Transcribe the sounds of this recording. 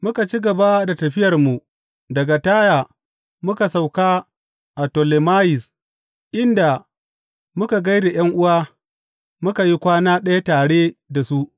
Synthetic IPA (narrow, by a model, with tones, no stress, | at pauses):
mʊ˦ka˨t͡ʃi˦ɡɐ˨ba˦da˨tɐ˨ɸɪ˦jɐ˨rmu˨ | dɐ˨ɡa˨taː˦jaː˨ | mʊ˦ka˨sa˨wkaː˦ | ʔa˨to˨le˨maː˦jɪ˨s | ʔɪ˦nda˨ | mʊ˦ka˨ɡa˦jde˨j̰ɐ˦ŋʔʊ˦waː˦ | mʊ˦ka˨ji˦kʷaː˦naː˦ɗɐ˦ja˦taː˨ɽeː˦da˨su˦ʔ